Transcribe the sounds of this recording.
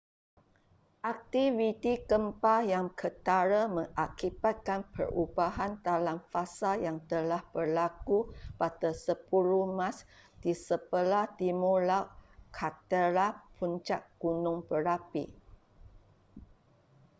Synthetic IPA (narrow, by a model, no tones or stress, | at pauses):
ʔak̚t̪ivit̪ikəmpajaŋkʰət̪aɾamə̃ŋʔakibat̪̚kanpʰə̰rubaɦant̪alamfasajaŋt̪əlahb̥ərlakupat̪əsəpuɾumãs | d̥isəpəlahdimulaʔkʰat̪əɾapʰunt͡ʃaʔ̚ɡ̥unʊ̃ŋpəɾapḭ